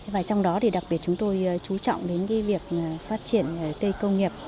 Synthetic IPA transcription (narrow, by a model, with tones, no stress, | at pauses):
vaː˨˩t͡ɕwŋ͡mɗɔ˨˦ɗi˨˩ɗa˨˩k̚ɓi˨˩ət̚t͡ɕʊ˨˦ŋ͡mt̪o˧jt͡ɕu˨˦t͡ɕɔ̰˧˨wŋ͡mɗe˨˦nkaː˨˦jvi˨˩ək̚ːfaː˦˥t̚t͡ɕi˧˩ənə˨˩kə˧jkə˧wŋ͡mŋi˨˩əp̚